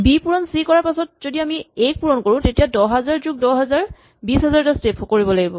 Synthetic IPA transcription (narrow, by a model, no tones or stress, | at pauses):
bipuɹɔnsikɔɹaɹpasɔt̚zodiamiek̚puɹɔnkoɹʊ̃tetijadɔɦɛzaɹzuɡ̚dɔɦɛzaɹ | bisɦɛzaɹtastepʰokoɹibɔlaɡibɔ